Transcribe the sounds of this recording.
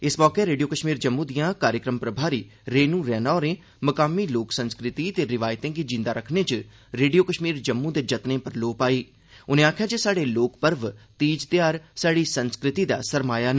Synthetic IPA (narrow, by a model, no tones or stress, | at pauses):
ɪsmɔːkeːɾeːɖijoːkəʃmiːɾd͡ʒəmːũːd̪ɪjãːkaːɾjəkɾəmpɾəbʱaːɾiː | ɾeːnũːɾɛːnaːɾẽː | məkaːmiːloːksənskɾɪt̪iːt̪eːɾɪʋaːjt̪ẽːɡiːd͡ʒɪ̃nd̪aːɾəkʰnẽːt͡ʃə | ɾeːɖijoːkəʃmiːɾd͡ʒəmːũːd̪eːd͡ʒət̪nẽːpəɾloːpaːiː | ʊnẽːaːkʰjaːd͡ʒesaːɖeːloːkpəɾʋt̪iːd͡ʒt̪ɪjaːɾsaːɽiːsənskɾɪt̪iːd̪a̰ːsəɾmaːjaːnə